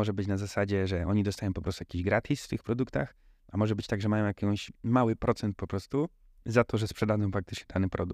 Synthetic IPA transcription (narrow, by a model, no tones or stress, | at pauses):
ɔʐɛbɘt͡ɕnazasad͡ʑɛʐɛɔɲid̪ɔst̪ajɔ̃w̃pɔpɾɔst̪ujakʲiʑɡɾat̪ʰʲisft̪ɘxpɾɔd̪ukt̪ax | amɔʐɛbɘt͡ɕt̪aɡʐɛmajɔ̃w̃jakʲɔ̃w̃ɕmawɘpɾʔɔt̪sɛnt̪̚pɔpɾɔst̪u | zat̪ɔʐɛspʂɛd̪ad̪d͡z̪ɔ̃w̃fɾakt̪ɘ̥t͡ʂɲɛd̪̥anɘpɾɔd̪u